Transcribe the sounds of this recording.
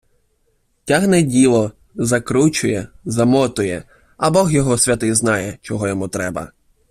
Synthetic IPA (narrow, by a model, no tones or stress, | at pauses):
tʲaɦnɛdʲilˠɔ | zɐkɾut͡ʃʊjɛzɐmɔt̪ʊjɛ | ɐbɔxjɔɦɔsʲʋʲɐt̪ɪjznɑjɛt͡ʃɔɦɔjɔmut̪ɾɛbɐ̰